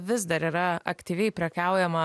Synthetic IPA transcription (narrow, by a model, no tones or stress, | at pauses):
ʋʲɪzd̪ɐɾiːɾɐɐ̰kt̪ʲiʋʲɛɪpʲɾʲɛkʲæˑʊjɛmɐ